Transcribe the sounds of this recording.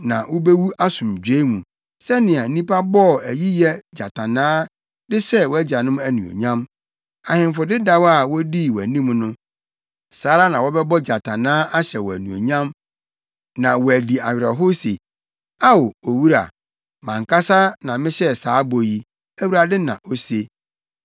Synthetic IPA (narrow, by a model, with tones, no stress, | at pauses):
nã˨wo˦be˦wu˦ʔa˦sʊ̃˨md͡ʑᶣe˦mũ˨ | sɛ˦nɪ̃˨a˨n̩˦nĩ˦pʰa˦bɔ˦˨æ˨ji˦jɛ˦d͡ʑa˨tʰã˨nãː˦ | dɪ˦ɕɛ˦wɔ˦æ˦d͡ʑa˨nʊ̃˦mæ˦nũ˨o̰˨ɲã˦m | a˨hɪ̃˨m˦fʊ˨dɪ˦da˦wa˨wɔ˦di˦wɔ˨æ̰˨nĩ˦mnʊ̃˦ | saː˨˦ɾa˦nã˨wɔ˦bɛ˦bɔ˦d͡ʑa˨tʰã˨nãː˦ʔa˦ɕɛ˨wɔ˨æ˨nũ˨o̰˨ɲã˦m | nã˨wɔ˨æ˨di˨a˨ɥɾɛ˨ɦo˦se˨ | a˦wo˨o˨wu˦ɾa̰˨ | mã˨ŋka˦sa˦nã˨mɪ̃˦ɕɛ˦˨saː˨˦bo˨ji˦ | æ˦wu˦ɾa˨dɪ˦nã̰˨ʔo˦se˦